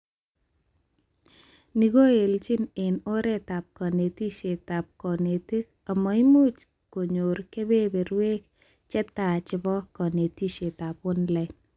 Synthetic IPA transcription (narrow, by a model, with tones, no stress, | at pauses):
ni˨ɡo˦e˨lt͡ʃɪ˦ne˨no˦ɾɛ˦ta˨p̚kɔ˨ne˨ti˦ʃe˨ta˨p̚kɔ˨ne˨te˦ | a˨mɔ˨i˦mu˦t͡ʃ | ko˨ɲo˨ɾke˦be˦be˨ɾwe˦k̚ | t͡ʃɛ˦ta˨t͡ʃɪ˨bɔ˦kɔ˨ne˨ti˦ʃe˨ta˨pʊ˦nlɛ˨n